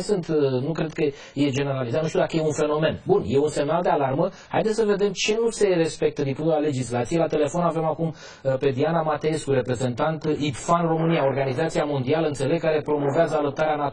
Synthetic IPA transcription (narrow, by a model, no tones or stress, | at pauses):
sɨnt̪nukɾed̪̚kə | je̞d͡ʒe̞ne̞ɾalizat̪uʃt̪ud̪akəjeunfe̞no̞me̞nbunje̞unse̞mnald̪ealarmə | ha̰jd̪et̪səve̞d̪e̞mt͡ʃe̞nuse̞re̞spe̞k̚t̪əd̪impuale̞d͡ʒislat̪sijelat̪e̞le̞fo̞nave̞makum | pe̞d̪ianamat̪eeskuɾe̞pɾe̞ze̞nt̪ant̪ipfanro̞mɨnijao̞rɡanizat̪sijamo̞nd̪ialəɨnt̪se̞le̞ɡ̚kaɾe̞pɾo̞mo̞veazəaləp̚t̪aɾeanat